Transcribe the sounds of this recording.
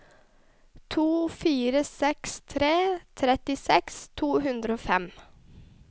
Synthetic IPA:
t̪ʰuːfiːɾəsɛkst̪ʰɾeːt̪ʰɾɛt̪ɪsɛkst̪ʰuːhʉnd̪ɾəoːfɛm

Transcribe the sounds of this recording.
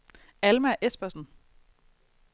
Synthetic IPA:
ælmæʔesb̥ɐsn̩

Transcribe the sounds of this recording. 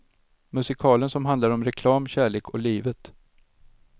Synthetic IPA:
mɵsɪkʰɑːlənsɔmɦand̪laɾɔmɾɛkʰlɑːmɕæːɭeːkʰɔliːvət̪

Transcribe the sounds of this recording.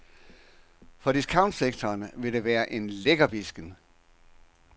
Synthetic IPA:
fɒ̽d̥iskʰɑ̈ʊn̥seɡ̥̚t͡sʰɒːnʋe̝ɾ̥e̝ʋæːɐʔe̝nleɡ̥ɐb̥isɡ̥ən

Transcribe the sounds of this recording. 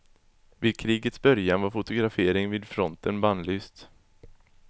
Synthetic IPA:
vɪːd̪̚kʰɾiːɡət̪sbœɾjanvaɾfʊt̪ʊɡɾafeːɾɪŋviːd̪fɾɔnt̪ənbanlyːst̪

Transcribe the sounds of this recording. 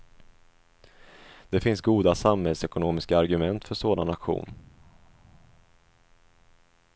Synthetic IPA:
d̪̥ɛfɪnsɡuːd̪asamhɛlsɛkʊnoːmɪskaːɾɡɵmɛnt̪fœʂoːd̪anakɧṵːn

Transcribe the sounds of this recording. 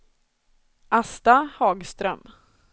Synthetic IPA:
ʔast̪ahɑːɡst̪ɾœ̰m

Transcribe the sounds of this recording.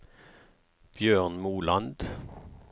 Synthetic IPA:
b̥jøːʁnmuːlɑnd̪

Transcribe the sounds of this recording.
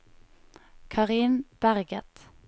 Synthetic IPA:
kʰɑʁiːnb̥æʁɡət̪

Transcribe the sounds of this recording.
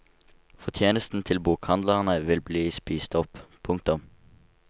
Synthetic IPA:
fɔt̪ʰjeːnəst̪n̩t̪ʰɪlbuːkhɑnd̪ləʁnəʋɪlbliːspiːst̪ɔppʰʊŋk̚t̪ʊm

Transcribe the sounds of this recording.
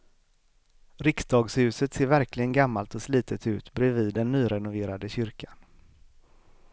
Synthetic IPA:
ɾɪksd̪ɑːɡshʉ̟ːsət̪seːɾvæɾklɪɡənɡamːalt̪ɔsliːt̪ʰət̪ʉ̟ːt̪bɾɛviːd̪ːɛnːyːɾɛnʊveːɾad̪əɕʏɾkʰḁn

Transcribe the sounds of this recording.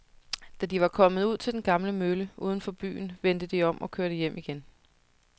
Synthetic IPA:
d̥æd̥iʋɑ̈kʰɒ̽mð̞̩ˠuð̞̰ˠt͡sʰe̝ld̥enɡ̥ɑ̈mləmøləʔuːð̞ˠn̩fɒ̽b̥y̰ːn̩ʋend̥əd̥iɒ̽mʔɒ̽kʰøɐɾəjem̰ʔiɡ̥en

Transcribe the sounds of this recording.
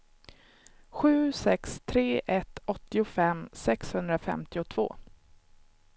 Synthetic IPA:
ɧʉ̟ːsɛkst̪ʰɾeːʔɛt̪ɔt̪ːɪʊfɛmsɛkshɵnd̪ɾafɛ̰mt̪ɪʊt̪ʰv̥o̰ː

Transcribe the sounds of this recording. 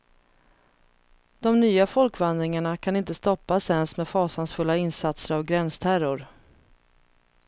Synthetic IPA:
d̪̥ɔmnyːafɔlkvand̪ɾɪŋaɳakʰanɪnt̪əst̪ɔpːasɛnsmɛd̪fɑːsansfɵlːaɪnsat̪səɾavɡɾɛnst̪ʰæɾʊɾ

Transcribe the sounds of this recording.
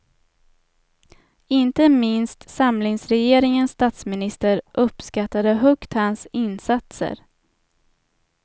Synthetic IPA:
ɪnt̪əmɪnst̪samlɪŋsɾɛjeːɾɪŋənsːt̪aːt̪smɪnɪst̪əɾʔɵpːskat̪ːad̪əɦœkt̪hansɪnsat̪sə̰ɾ

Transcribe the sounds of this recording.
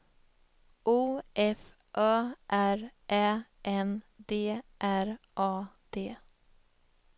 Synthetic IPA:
ʔuːʔɛf | ʔœːʔæɾʔɛ | ʔɛnd̪eːʔæɾ | ʔɑːd̪̥eː

